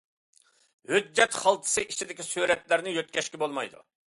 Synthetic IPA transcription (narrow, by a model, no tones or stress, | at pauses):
hød͡ʒːɛt̪χɑlˠt̪ʰɨ̥sɨʔit͡ʃʰid̪ɪkʲisyɾɛt̪læɾnɪjøt̪̚kʲɛʃkʲibolˠmɑjd̪ṵ